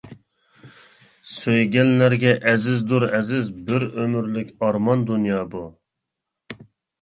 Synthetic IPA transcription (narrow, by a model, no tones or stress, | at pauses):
søjɡʲɛnlæɾɡʲɛʔɛzɪzd̪uɾɛzɪzbɪɾømyɾlɪkʲɑɾmɑnd̪unjɑːbu